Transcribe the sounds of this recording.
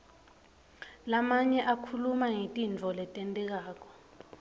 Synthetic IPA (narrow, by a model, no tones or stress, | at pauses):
lamaɲɛʔakʰulumaŋitʼint͡fɔlɛtʼɛntʼɛk̬aːk̬ɔ̥